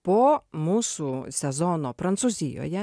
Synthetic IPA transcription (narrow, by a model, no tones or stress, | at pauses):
pɔmususʲɛzɔnɔpɾɐnsʊzʲijɔ̰jɐ